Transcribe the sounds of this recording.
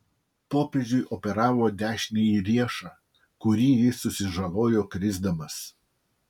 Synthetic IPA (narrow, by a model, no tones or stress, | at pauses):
poːpʲed͡ʒʲʊɪʔɔpʲɛɾɑːʋoːd̪ʲæːʃʲnʲijiɾʲiɛʃɑː | kʊɾʲiːjɪsʊsʲɪʒɐlˠoːjoːkɾʲɪzd̪ɐmɐs